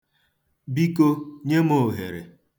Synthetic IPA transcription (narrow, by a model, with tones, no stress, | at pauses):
bi˦ko˦ɲe˦mo˨ɦḛ˨ɾḛ˨